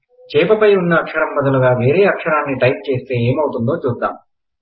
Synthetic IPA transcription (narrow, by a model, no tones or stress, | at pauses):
t͡ʃɛːpɐpɐjunːɐːkʂɐɾɐmːɐd̪ɐluɡaːʋe̞ːɾeːɐkʂɐɾaːnːiʈɐjp̚t͡ʃe̞ːst̪e̞ːeːmɐwut̪und̪o̞ːt͡ʃuːst̪ːa̰ːm